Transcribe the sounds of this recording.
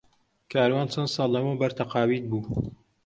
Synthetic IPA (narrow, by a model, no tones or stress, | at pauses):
kʰaːɾwaːnt͡sʰɐnd̪sɑːlˠːɐmobɐɾt̪ʰɐqɑːwiːt̪̚buː